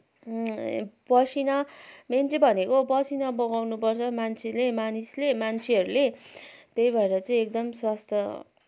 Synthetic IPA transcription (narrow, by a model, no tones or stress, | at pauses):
bʌsʰinʌment͡sʰebʱʌnekobʌsʰinʌbʌɡawnupʌrt͡sʰʌmant͡sʰelemanislemant͡sʰeʌɾulet̪ejbʱʌeɾʌt͡sʌĩek̚d̪ʌmswast̪ʰjʌ